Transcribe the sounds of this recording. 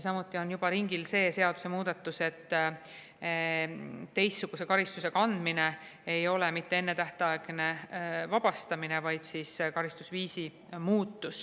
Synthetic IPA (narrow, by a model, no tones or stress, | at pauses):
sɑmut̪ˑːio̞njub̥ɑɾiŋɡilse̞ːse̞ɑd̪̥u̥semuːd̪̥ɑt̪ːˑuse̞t̪ː | tːe̞jsːuɡ̥use̞kɑɾist̪use̞kɑnd̪̥mine̞e̞jo̞le̞mit̪ːe̞e̞nːet̪æht̪ɑeɡ̥ne̞vɑb̥ɑst̪ɑminevɑjd̪̥siskɑɾist̪usviːsi | muːt̪ːˑus